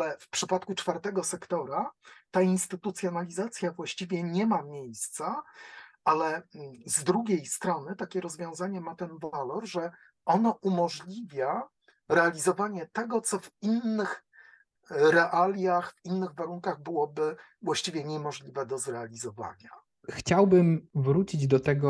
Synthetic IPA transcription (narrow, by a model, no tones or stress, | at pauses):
alɛfpʂɘpat̪kut͡ʂfaɾt̪ɛɡɔsɛkt̪ɔɾat̪ainst̪ɘt̪ut̪sʲjɔnalʲizat̪sʲjavwaɕt͡ɕivʲjɛɲɛmamʲjejst̪sa | alɛzd̪ɾuɡʲejst̪ɾɔnɘt̪akʲɛɾɔzvʲjɔ̃w̃zaɲɛmat̪ɛnvalɔɾʐɛ | ɔnɔʔumɔʐlʲivʲja | ɾɛalʲizɔvaɲɛt̪ɛɡɔt̪sɔvinːɘx | ɾɛʔalʲjaxvinːɘɣvaɾuŋkaɣbɘwɔbɘ | vwaɕt͡ɕivʲjɛɲɛmɔʐlʲivɛd̪ɔzɾɛalʲizɔva̰ɲa | xt͡ɕawbɘmvɾut͡ɕid͡ʑd̪ɔt̪ɛɡɔ